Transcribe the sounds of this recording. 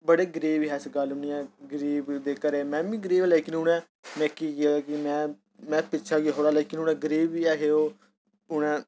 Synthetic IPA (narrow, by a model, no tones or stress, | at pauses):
bəɽeːɡəɾiːʋiɦɛːsɡəlʊniɛ̃ːɡəɾiːbd̪eːkəɾeːmɛ̃ːbĩːɡəɾiːʋɛːlɛːkɪnʊnɛ̃ː | mɛ̃ːkiːkɪaakɪmɛ̃ː | mɛ̃ːpɪtːʃʰaːɡeɦoːɽaːleːkɪnʊnɛ̃ːɡəɾiːbiːɛːɦeːoː | ʊnɛ̃ː